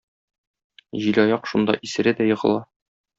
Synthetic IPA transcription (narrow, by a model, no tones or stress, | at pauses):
ʑilʲɒjɑqʃund̪ɑ̰ʔisɘ̆ɾɘd̪æjɤ̆ʁɤ̰̆lˠɑ